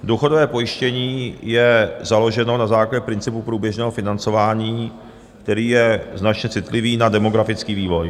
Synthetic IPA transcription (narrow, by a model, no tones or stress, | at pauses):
duxo̞dovɛːpo̞jɪʃcɛɲiːjɛzalo̞ʒɛno̞nazaːklaɟɛpɾɪnt͡sɪpupɾuːbjɛʒnɛːɦofɪnant͡so̞vaːɲiː | kt̪ɛɾiːjɛznat͡ʃɲɛt͡sɪt̪lɪviːnadɛmo̞ɡɾafɪt͡skiːviːvo̞j